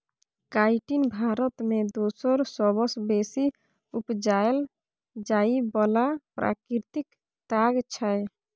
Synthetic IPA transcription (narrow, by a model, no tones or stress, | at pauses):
kaiʈinbʱaɾət̪med̪osəɾsɔbəsbesi | upd͡ʒael | d͡ʒaibɔlapɾʔa̰kɾɾt̪ik | t̪aɡt͡ʃʰaj